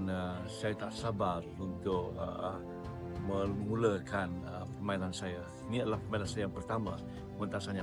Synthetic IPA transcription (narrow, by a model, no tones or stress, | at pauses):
nə | sajat̪aʔsabarunt̪ʊk̚ə̰ | mə̃muləkanəpəmainansajə | niat̪lahpəmainansajəjaŋpərt̪ama | mənt̪asaɲa